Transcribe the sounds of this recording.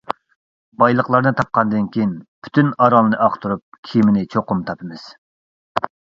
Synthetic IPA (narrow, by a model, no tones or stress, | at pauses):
bɑjlˠəqlˠɑɾnɨt̪ʰɑp̚qɑnd̪ɨnkʲijinpʰy̥t̪ynɑɾɑlˠɨnɨʔɑqt̪ʰuɾup̚kʲʰimɪnɪt͡ʃʰoqʊmt̪ʰɑpʰɨmɨz̥